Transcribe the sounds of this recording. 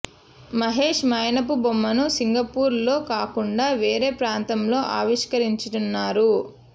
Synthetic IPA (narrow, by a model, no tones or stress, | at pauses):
mɐɦe̞ːʂmɐjɐnɐpubomːɐnusiŋɡɐpuːɾlo̞ːkaːkuɳɖaːʋe̞ːɾe̞ːpɾaːnt̪ɐmlo̞ːʔaːʋiʂkɐɾiɲt͡ʃuʈunːaːɾu